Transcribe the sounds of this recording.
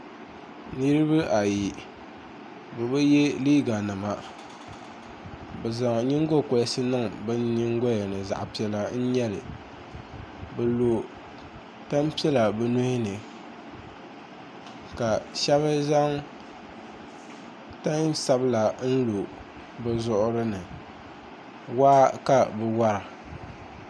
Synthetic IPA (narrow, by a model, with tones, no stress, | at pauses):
nɨ˦ɾɨ˦bɨ˦ʔa˨ji˨ | bɨ˨bɨ˦jɛ˦liː˦ɡa˨nɨ˨ma˨ | bɛ˨za˨ŋ˨ɲi˦ŋ˦ɡo˦˨ko˨˦sɨ˦nɨ˦ŋbɨ˦n˦ɲi˦ŋ˦ɡo˦jɛ˨nɨ˨za̰˨ʔpi˨˦ɛ˦la˦n̩˦ɲɛ˦lɨ̰˨ | bɨ˨lo˨ | ta˦mpi˦ɛ˦la˨bɨ˨no˦hɪ˦nɨ˨ | ka˨ʃɛ˦βɨ˦za˦ŋ | ta˦ɲsa˨bɨ˦la˨n̩˦lo˨ | bɨ˦zʊ˦ʔʊ˦ɾɨ˦nɨ˨ | waː˦ka˨bɨ˨wa˦ɾɨ˨